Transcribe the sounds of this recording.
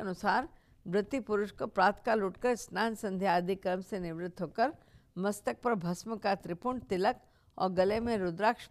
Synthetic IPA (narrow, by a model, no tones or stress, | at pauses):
ɐnʊsaːɾ | bɾɪt̪ipʊɾʊʃkopɾaːt̪kaluːʈkəɾsnaːnsɐ̃nd̪ʱjaaːd̪ʱikɾəmsenɪʋɾɪt̪ʰːɦoːkəɾ | mɐst̪ək̚pɐɾbʱɐsməkat̪ɾɪpuɳɖt̪ɪlək | ɔ̰ːɾɡɐlemẽɾʊd̪ɾaːkʃ